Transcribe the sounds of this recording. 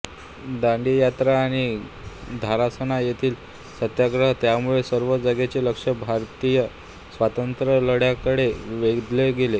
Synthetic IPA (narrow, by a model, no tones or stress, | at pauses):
d̪aɳɖijat̪ɾaːɽ̃i | d̪ʱaɾasənajet̪ʰiːl | sət̪jaɡɾəɦt̪jamuɭesəɾʋəd͡zəɡet͡ɕeləkʂəbʱaɾt̪ijə | sʋat̪ənt̪ɾələɽjakəɽeʋeɡd̪leɡele